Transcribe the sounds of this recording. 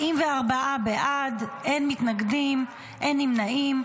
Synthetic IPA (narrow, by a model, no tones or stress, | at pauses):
imveaʁbaabeʔadenmit̪naɡdim | ʔe̞nimnaim